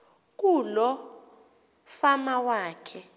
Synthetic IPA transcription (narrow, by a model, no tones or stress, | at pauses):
k̬ulɔ | famawaːkʰɛ